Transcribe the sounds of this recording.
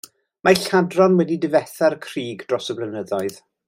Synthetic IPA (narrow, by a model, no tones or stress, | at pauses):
maɬadrɔnwɛdidɪvɛθarkʰriːɡd̥rɔsəbrənəðaɨð̥